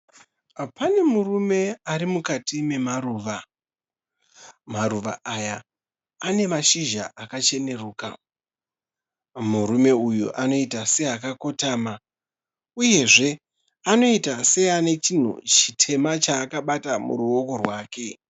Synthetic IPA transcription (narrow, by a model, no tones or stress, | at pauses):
pane̞murume̞aɾimukatime̞maruːʋa | maruʋa̰ʔajaː | ne̞maʃiʒa̰ʔakat͡ʃe̞ne̞ruːka̰ | muɾume̞ujuʔano̞itase̞akako̞taːma | uje̞ʐe̞ | ano̞itase̞ane̞t͡ʃin̤ṵt͡ʃitʰe̞mat͡ʃaːkaɓatamṵɾuo̞ko̞rwaːke̞